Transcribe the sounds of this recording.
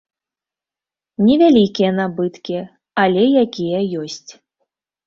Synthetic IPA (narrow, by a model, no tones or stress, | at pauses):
nʲɛvʲalʲikʲijɐnabɨt̪kʲi | alʲɛjakʲijɐjɔsʲt͡sʲ